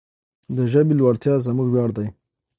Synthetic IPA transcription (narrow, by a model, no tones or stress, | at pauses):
d̪əʒəbilwaɾt̪jɑzamuɡwjɑːɽd̪aj